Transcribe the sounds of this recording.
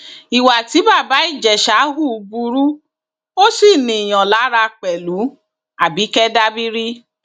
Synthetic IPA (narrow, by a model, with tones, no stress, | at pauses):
i˨wa˨ti˨˦ba˦˨ba˨˦i˦˨d͡ʒɛ˨ʃa˨˦ɦu˦˨˧bu˧ɾu˦ | o˦si˦˨nĩ˨j̃ɔ̃˨la˨˦ɾa˧k͡pɛ˨lu˨˦ | a˨bi˨˦kɛ˦da˦bi˦ɾi˦